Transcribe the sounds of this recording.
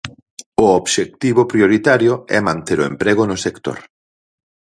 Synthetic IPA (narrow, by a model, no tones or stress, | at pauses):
ʊobʃek̚t̪iβʊpɾioɾit̪aɾjʊɛmãnt̪eɾʊḛmpɾeɣʊnʊsekt̪o̰ɾ